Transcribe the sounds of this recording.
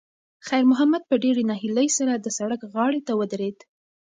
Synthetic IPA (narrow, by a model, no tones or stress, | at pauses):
xajɾmʊɦamad̪̚pəɖeɾenɑɦiləjsaɾad̪əsaɽəkɣɑɽet̪awəd̪ɾed̪